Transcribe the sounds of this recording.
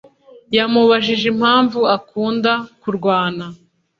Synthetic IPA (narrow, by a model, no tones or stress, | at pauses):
jamuβaʒiʒem̥haːɱvuakuːndakuɾɡwaːna